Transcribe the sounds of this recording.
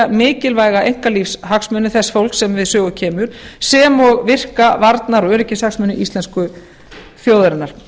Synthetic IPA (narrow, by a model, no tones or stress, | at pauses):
mɪːcɪlvaːjɣaʔejŋ̥kalifshaksmœnːʏθɛsːfowl̥ksɛmvɪðsœːɣʏcʰɛːmʏɾ̥sɛːmɔɣvɪr̥kavaɾt̪naɾɔœːɾɪcɪshaksmʏnʏʔist̪lɛnskʏ | θjoːwðɾɪnːaɾ̥